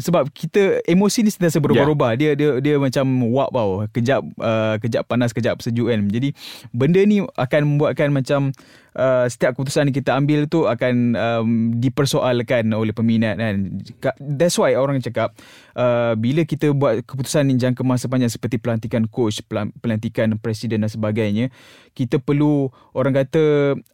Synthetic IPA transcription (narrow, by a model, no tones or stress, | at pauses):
səbap̚kit̪əemosinisəniasəbəɾobaɾobahdiədədiəmat͡ʃamwaʔpawkəd͡ʒap̚əkəd͡ʒaʔpːanaskəd͡ʒaʔpə̥səd͡ʒukand͡ʒadibəndənia̰kanmə̃mbuatʔ̪̚kanmat͡ʃam | ʔəsə̥t̪iap̚kəput̪u̥sankit̪əambɪlt̪uakanəmdipərsoʔalkanolɛhpəminat̪̚ankad̪ɛt̪swajoɾaŋt͡ʃakap̚ | ʔəbiləkit̪əbuat̪̚kəput̪u̥sand͡ʒaŋkəmasəp̬aɲd͡ʒaŋsə̥pərt̪ipəlant̪ikankot͡ʃppəlant̪ikanpɾɛsidəndansəbaɡajɲə̃ | kit̪əpərlu | oɾaŋkat̪ə